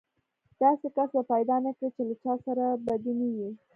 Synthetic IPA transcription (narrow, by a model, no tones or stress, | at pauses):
d̪̥ɑsekasbapajd̪ɑnakɽit͡ʃelat͡ʃɑsaɾabad̪iniwi